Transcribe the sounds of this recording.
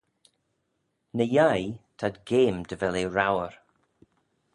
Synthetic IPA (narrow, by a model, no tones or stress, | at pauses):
nəjajtʰadɡeːmdəvɛleɹawəɹ